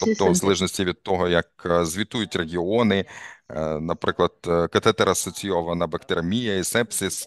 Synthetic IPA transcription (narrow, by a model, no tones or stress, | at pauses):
t̪ɔp̚t̪ɔzɐlˠɛʒnɔsʲtʲiʋʲid̪̚t̪ɔɦɔjɐk̚zʲʋʲit̪ujʊtʲreɦʲiɔnɪ | nɐpɾɪklˠɐd̪̥kɐt̪ɛt̪ɛɾɐsɔt͡sʲijɔʋɐnɐbɐkt̪eɾɐmʲijɐisɛpsʲis